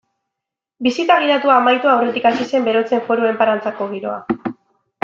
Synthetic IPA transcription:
bisit̪aɣ̞iɾat̪uaːmajt̪uawre̞t̪ikasise̞mbe̞ɾo̞t͡se̞ɱfo̞ɾoe̞mpaɾant͡sako̞ɣ̞iɾo̞̰a̰

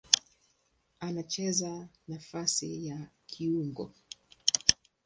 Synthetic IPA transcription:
anat͡ʃɛzanafasḭjakʰiuŋɡɔ̰

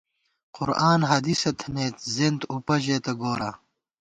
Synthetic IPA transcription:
qʊɾaːnɦɐd̪isɐt̪ʰɐneːt̪zend̪upɐʑeːt̪ɐɡoːɾa

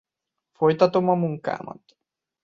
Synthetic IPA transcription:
fojt̪at̪omamuŋka̰mɔ̰t̪

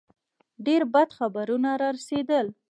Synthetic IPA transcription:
ɖeɾbad̪xabaɾunaɾɑɾased̪əl

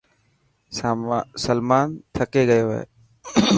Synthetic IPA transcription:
səlmaːnt̪ʰəkeːɡəjoːɦḛː

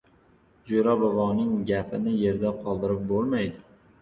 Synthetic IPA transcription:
d͡ʒoɾabʊvɒnɪŋɡʲapʰɪnɪje̞ɾd̪aqʰɒlˠd̪ɪɾɪp̚bolˠmajd̪ɪ

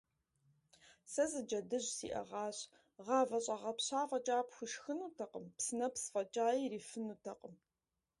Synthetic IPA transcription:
sɐzɨd͡ʒɐdɨʑsḭːʔɐ̰ʁɑːɕ | ʁɑːvɐɕʼɐʁɐpɕaːfɐt͡ʃʼaːpxʷʊʃxɨnuːtʰɐqʼəmpsɨnɐpsfʼɐt͡ʃʼaːjiriːfɨnuːtʰɐqʼəm

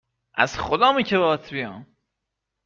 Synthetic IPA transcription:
ʔæ̰z̥χod̪ɒːmiːcʰeβɒːt̪ʰbijɒ̰ːm

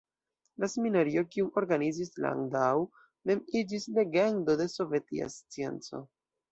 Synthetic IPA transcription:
laseminaɾio̞kiuo̞ɾɡanizisla̰ŋdaw | me̞mid͡ʒisle̞ɡe̞ndo̞de̞so̞ve̞tḭa̰st͡sie̞̰nt͡so̞̰

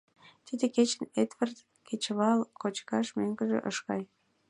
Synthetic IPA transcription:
t̪id̪eket͡ɕəned̪vərd̪ | kʰet͡ɕβɑlkot͡ɕkɑʃmøŋɡəʒḛʔəʃkɑj

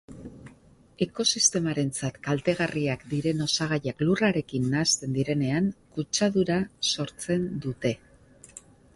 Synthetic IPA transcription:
e̞ko̞sist̪e̞maɾe̞nt͡sat̪kalt̪e̞ɣ̞ariakd̪iɾe̞no̞saɣ̞ajakluraɾe̞kinːaːst̪e̞nd̪iɾe̞ne̞aŋkut͡ʃaðuɾaso̞ɾt͡se̞nd̪ut̪e̞

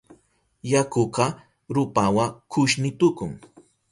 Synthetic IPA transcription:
jakoqɑ | ɾʊpawakʰʊʃnɪt̪ʊkʊŋ

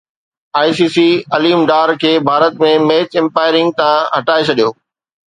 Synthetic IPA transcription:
aːjsiːsiɐliːmɖaːɾkʰeːbʱaːɾət̪mẽmeːt͡ɕɪ̃mpaːɪɾɪ̃ŋɡ̚t̪ãɦɐʈaːet͡ɕʰɐɗijoː

